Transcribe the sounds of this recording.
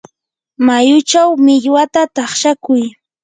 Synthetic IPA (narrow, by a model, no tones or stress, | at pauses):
majʊt͡ʃawmɪʎwat̪at̪ɑχʃakʊj